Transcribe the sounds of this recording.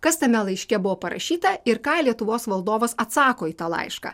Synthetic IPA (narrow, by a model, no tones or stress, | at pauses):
kɐst̪ɐmʲɛlˠɐɪʃʲkʲɛbʊʋoːpɐɾɐ̰ʃʲiːt̪ɐɪɾkɑːlʲiɛt̪ʊʋoːsʋɐlˠd̪oːʋɐsɐt̪sɑːkoːiːt̪ɑlˠɐ̰ɪʃkɑ̰ː